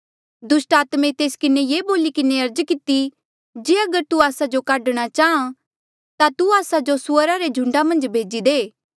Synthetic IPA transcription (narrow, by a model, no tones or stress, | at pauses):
d̪ʊsʈaːt̪mẽt̪eːskɪnejeːboːlikɪneɐɾd͡ʒkɪt̪i | d͡ʒeːɐɡəɾt̪uaːsad͡ʒokaːɖɽ̃at͡ʃaːã | t̪at̪uaːsad͡ʒosʊəɾaɾed͡ʒʱʊ̃ɳɖamɐ̃nd͡ʒbʱeːd͡ʒid̪eː